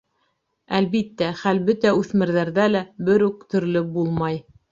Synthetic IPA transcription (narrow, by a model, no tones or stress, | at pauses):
ælβit̪ːæχælbɵt̪æʉθmɘ̆ɾðæɾðælæbɘɾʉkt̪ɵ̆ɾlɘbulˠmɑj